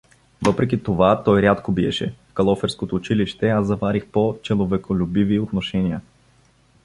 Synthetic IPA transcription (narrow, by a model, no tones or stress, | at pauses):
vɤpɾɛk̬ʲit̪ovat̪ɔjɾʲat̪kobiɛ̰ʃɛ̰fkɐlˠɔfɛɾskot̪oːt͡ʃiliʃt̪ɛazːɐvaɾixpot͡ʃɛlˠovɛkʰolʲubiviot̪noʃɛniə